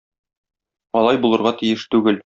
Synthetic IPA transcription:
ɒlˠɑjbulˠɤ̆ɾʁɑt̪ijɘʃt̪ʉɡɘl

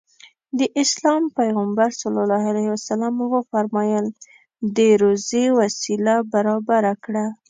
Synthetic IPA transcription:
d̪əʔɪslɑmpajɣambaɾsalɑlɑɦalahwasalamwəfaɾmɑjəl | d̪əɾozewasilabaɾɑbaɾakɽa

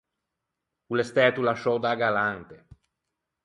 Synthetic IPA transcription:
ulest̪ɛːt̪ulaʃɔd̪aɡalant̪e

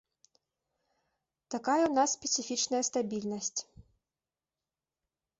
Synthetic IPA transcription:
t̪akajɛwn̪asːpʲɛt̪sifʲit͡ʂnɐjɐst̪abʲilʲnɐsʲt͡sʲ

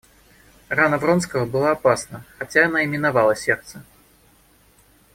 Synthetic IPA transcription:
ranɐvrɔnskəvəbɨlˠaːpasnəxat͡sʲaːnaɪmʲɪnavalˠəsʲɛrt̪sə

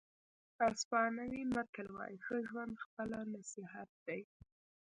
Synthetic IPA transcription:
aspɑnawimakəlwɑ̰jixəʒwand̪xpəlanasiɦat̪̚d̪̥aj

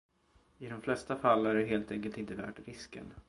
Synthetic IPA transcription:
ɪd̪ɔmflɛst̪afalːæɾɖɛɦeːlt̪ɛŋkəlt̪ɪnt̪əvæ̰ːʈɾɪskə̰n

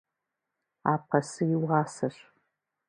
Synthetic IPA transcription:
aːp̚ʰɐsɨjɪwʁɑːsɐɕ

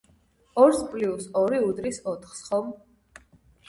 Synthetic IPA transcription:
ɔɾspʼliusɔɾiud̪ɾisɔt̪ʰχsχɔm

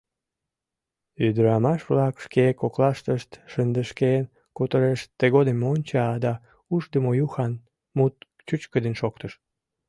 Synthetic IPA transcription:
yd̪əɾɑmɑʃβlɑkʃkekoklɑʃt̪əʃt̪ʃənd̪əʃken | kut̪əɾeʃt̪eɣod̪emonʲt͡ɕɑd̪ɑ | uʃd̪əmojuxɑn | mut̪̚ | t͡ɕut͡ɕkəd̪enʃok̚t̪əʃ

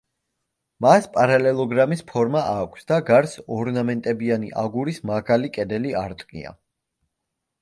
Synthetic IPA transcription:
maspʼaɾalɛlˠɔɡɾamispʰɔɾmaʔaːkʷʰsd̪aɡaɾsɔɾnamɛnt̪ʼɛbianiʔaɡuɾismaʁalikʼɛd̪ɛliaɾt̪ʼkʼḭa̰

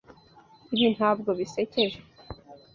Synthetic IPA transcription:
iβin̥haːbɡo̞βise̞ce̞ʒe

